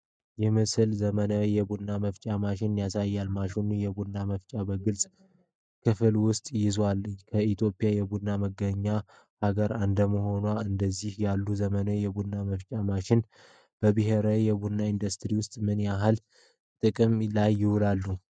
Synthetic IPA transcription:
jɛmɨsɨlzəmənəjɛbunːaməft͡ʃʼamaʃɪnjasajːalmaʃunujɛbunːaməft͡ʃʼabəɡɨlsʼ | kʰɨfɨlwʊst̪ʼjɪzwalkʰəit̪ʰjo̞pʼijajɛbunːaməɡːəɲːa | haɡəɾand̪əməɦo̞naɨnd̪əzːihjalːuzəmənəjɛbunːaməft͡ʃʼamaʃɪn | b̥əbɨɦeɾawjɛbunːaind̪ust̪ʼɾiwʊst̪ʼmɨnjaɦal | t̪ʼɨkʼɨmlajːɪhʊlalːu

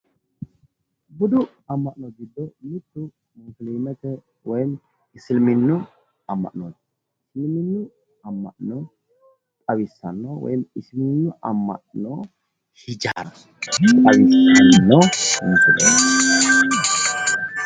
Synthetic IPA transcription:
bʊd̪ʊ | ɐmːɐʔnoɡɪd̪ːɔjɪt̪ːʊ | mofleːmɛt̪ɛ | wɔjm | ɪsɪlmɪnːʊ | ɐmːɐ̰ʔnoːt̪ | ɪslmɪnːʊ | ɐmːɐ̰ʔno | t̪ʼɐwɪsːɐnːowɔ̰jmɪslɪnːʊʔɐmːɐ̰ʔno | hɪd͡ʒaːɾ | t̪ʼɐwɪsɐnːoʊnfɪlḛ

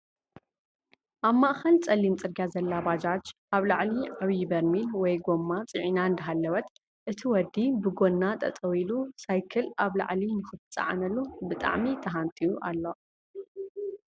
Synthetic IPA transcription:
ʔaβmaʔxɐlt͡sʼɐlːimt͡sʼɨɾɡjazɐlːabad͡ʒat͡ʃ | aβlaʕliaβjbɐɾmilwɔjɡo̞mːat͡sʼɨʕinand̪ɨɦalːɐwɐt̪ | ʔɨt̪ʰiwɔd̪ːibɨɡo̞nːat̪ʼɐ̰t̪ʼɐwilusajkʰɐlaβla̰ʕlinɨxɨt̪ʰɨt͡sʼa̰ʕa̰nɐlubɨt̪ʼa̰ʕmit̪ʰɐɦant̪ʼijuʔalːo

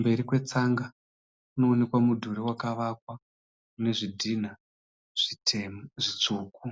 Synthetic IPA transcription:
mbe̞ɾikwe̞t͡saŋɡa | kuno̞ːne̞kwamudʱuɾewakaʋakwa | une̞ʐidʱina | ʐ̥iteʐit͡ʂoːku

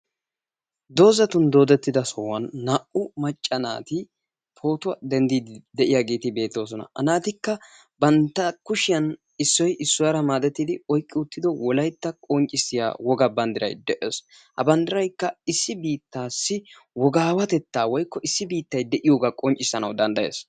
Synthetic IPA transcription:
d̪o̞ːzɐt̪ʊnd̪o̞ːd̪ɛt̪ːɪd̪ɐsɔwɐnːaʔʊmɐt͡ʃʼːɐna̰ːt̪ɪ | tʰo̞ːt̪ʊwɐd̪ɛnd̪iːd̪d̪ɛʔɪjaɡiːt̪ɪbe̞ːt̪ːo̞ːs̬ɔnɐ̰ʔɐ̰naːt̪ɪkːɐ | bɐnt̪ːɐkʊʃɪjɐn | ɪsːɔjʔɪsːʊwaɾɐmaːd̪ɛt̪ːid̪ɪɔjkʼːɪʊt̪ːɪd̪ɔwɔlɐjt̪ːɐkʼɔnt͡ʃʼːɪsɪja̰ːwɔɡɐbɐnd̪ɪɾɐ̰jd̪ɛʔeːs | hɐ̰bɐnd̪ɪɾɐjkːɐɪsːɪbiːt̪ːaːsːɪ | wɔɡaːwɐt̪ɛt̪ːaːwɔjkːɔʔɪsːɪbiːt̪ːɐjd̪ɛʔɪjoːɡakʼɔnt͡ʃʼːɪsːɐnɐwd̪ɐnd̪ɐjḛːs

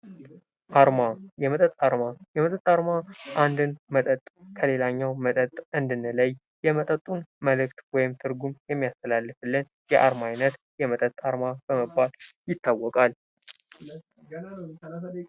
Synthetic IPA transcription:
ʔaɾmajɛmət̪ʼət̪ʼaɾmajɛmət̪ʼət̪ʼːaɾmaʔand̪ɨnmət̪ʼət̪ʼkʰəle̞laɲːawmət̪ʼət̪ʼɨnd̪ɨnləj | jɛmət̪ʼət̪ʼːunməlɨkt̪wɔjɪmt̪ʰɨɾɡumjɛmːijast̪ʰəlalːɨfɨlːɨn | jɛʔaɾmajnət̪ | jɛmət̪ʼət̪ʼaɾmabəməbːaljɪt̪ʰːawːɔkʼal

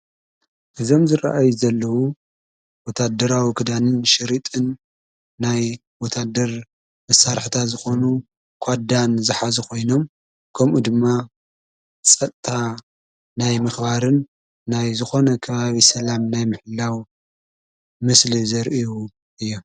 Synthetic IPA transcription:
ʔɨzo̞mzɨɾa̰ʔajuzɐlːɐwu | wɔt̪ʰad̪ɐɾawikʰɨd̪anɨnʃɪɾit̪ʼɨnː | aj | wɔt̪ʰad̪ɐɾ | mɐsaɾħt̪ʰazɨxo̞nu | kʷʰad̪anzɨħazɨkʰo̞jno̞m | kʰɐmʔud̪ɨmːa | t͡sʼɐt̪ʼt̪ʰa | najmɨxbaɾɨnː | ajzɨxo̞nɐkʰɐβaβisɐlamnajmɨħɨlːaw | mɨslizɐɾʔiju | ʔɨjːo

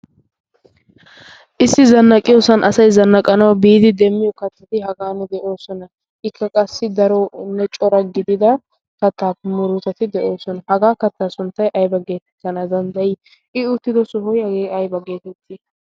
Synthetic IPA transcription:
ʔɪsːɪzɐnːɐkʼɪjoːsɐnʔɐsɐjzɐnːɐkʼɐnɐwbiːd̪ɪd̪ɛmːɪjɔkɐt̪ːɐt̪ɪhɐɡaːnːɛd̪ɛʔo̞ːsɔnɐ | ʔɪkːɐkʼɐsːɪd̪ɐɾɔnːɛt͡ʃʼɔɾɐɡɪd̪ɪd̪ɐ | kɐt̪ːaːpːɛmʊɾʊt̪ɐt̪ɪd̪ɛʔo̞ːsɔnɐhɐɡaːkɐt̪ːaːsʊnt̪ːɐjʔɐjbɐɡe̞ːt̪ɛ̥t̪ːɐnɐd̪ɐnd̪ɐjɪ | ʔɪʊt̪ːɪd̪ɔsɔɦɔjhɐɡeːɐjbɐɡe̞ːt̪ɛt̪ʰːɪ

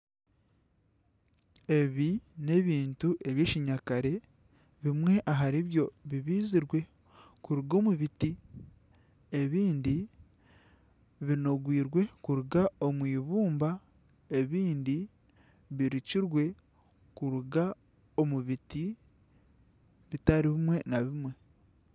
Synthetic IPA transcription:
e̞βine̞βiːntuʔe̞βjeːciɲakaɾe̞ | βimwe̞ʔaɦaɾiβjo̞βiβiːziɾwe̞ | kuɾuɡo̞muβiti | eβiːndi | βino̞ɡwiːɾwe̞kuɾuɡao̞mwiːβuːmba | e̞βiːndi | βiɾiciɾwe̞ | kuɾuɡa | o̞muβiti | βitaɾiβimwe̞naβimwe̞

